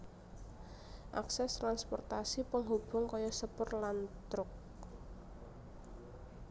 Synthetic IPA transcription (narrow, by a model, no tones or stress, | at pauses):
ʔaksɛst̪ɾanspɔ̰rt̪asipəŋɦob̥ʊŋkɔjɔsəpʊrlant̪ɾʊk̚